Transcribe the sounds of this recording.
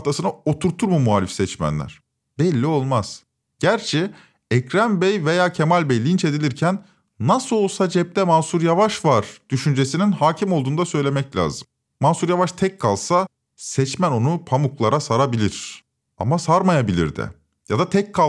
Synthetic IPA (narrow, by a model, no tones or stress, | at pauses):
ft̪ʰasɯnao̞t̪ʰuɾt̪ʰːuɾmumualʲifsɛt͡ʃmæ̰nlʲæ̰ɾ̥ | bɛlʲːio̞lˠmaz̥ | ɟ̥æɾt͡ʃʰɛ | ɛcɾænbɛjve̞jaːcʰe̞malʲbɛjlʲint͡ʃe̞d̪ilʲiɾcʰænː | asɯo̞lˠsad͡ʒɛp̚t̪ʰɛmansuɾjavaʃvaɾ̥d̪̥yʃynd͡ʒe̞sininhaːcʰimo̞lˠd̪uːnd̪asø̞jlʲe̞mɛclʲa̰ːzɯm | mːansuɾjavaʃt̪ʰɛcʰːalˠsa | sɛt͡ʃmæno̞nupʰamuklˠaɾasaɾabilʲiɾ̥ | a̰masaɾmajabilʲḭɾd̪ɪ̰ | jad̪at̪ʰɛc̚kʰːa